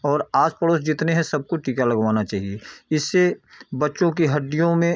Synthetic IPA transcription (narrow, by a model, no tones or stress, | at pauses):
ɔːɾaːd͡ʒpəɽoːsd͡ʒɪt̪neɦɛ̃sɐb̚koʈiːkalɐɡʋaːnat͡ʃaːɦieɪsːebɐtːʃõk̬iɦɐɖːijõmẽ